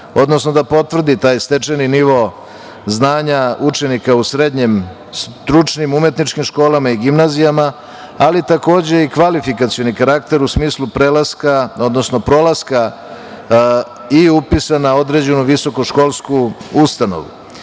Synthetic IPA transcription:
o̞d̪no̞sno̞d̪apo̞t̪vr̩d̪it̪aːjst̪e̞t͡ʃeniniʋo̞ | znaːɲaut͡ʂe̞nikausɾe̞d̪ɲem | st̪ɾut͡ʃnimume̞t̪nit͡ʃkimʃko̞ːlamaiɡimnazijama | alit̪ako̞ːd͡ʑe̞ikʋalifikat̪sijo̞nikaɾak̚t̪e̞ɾusmiːslˠupɾelaskao̞d̪no̞sno̞pɾo̞laska | iupisanao̞d̪ɾe̞d͡ʑe̞nuʋiso̞koʃko̞lˠskuust̪ano̞̰ʋṵ

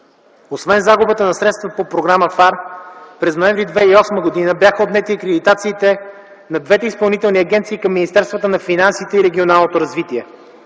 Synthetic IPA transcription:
osvɛnzaɡʊbət̪ənɐsɾɛt̪st̪vəpopɾoɡɾaməfaɾpɾɛznoɛ̃ɱvɾid̪vɛiɔsməɡod̪inəbjaxəod̪nɛt̪iɐkɾɛd̪it̪at̪siːt̪ɛ | nɐd̪vɛt̪ɛispɐlˠnit̪ɛlˠniɐɡɛnt̪siːkɐmːinist̪ɛɾst̪vət̪ənɐfinansit̪ɛiɾɛɡʲionalˠnot̪oɾɐzvit̪iɛ

